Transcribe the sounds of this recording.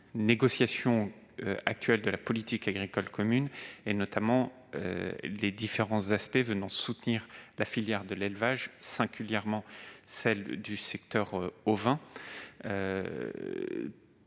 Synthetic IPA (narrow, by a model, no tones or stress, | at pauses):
neɡɔsjasjɔ̃ | øak̚t̪ɥɛld̪əlapɔlit̪ikaɡʁikɔlkɔmynenɔt̪amɑ̃ | ø̰led̪ifeʁɑ̃zaspɛvənɑ̃sut̪niʁlafiljɛʁd̪əlelvaʒsɛ̃ɡʲyljɛʁmɑ̃sɛld̪ysɛk̚t̪œʁovɛ̃ | ø